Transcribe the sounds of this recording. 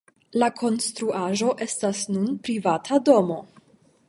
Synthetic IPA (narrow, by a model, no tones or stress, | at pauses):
lakʰo̞nstɾuʔaʒo̞ʔe̞stasnunpɾivatʰado̞mo̞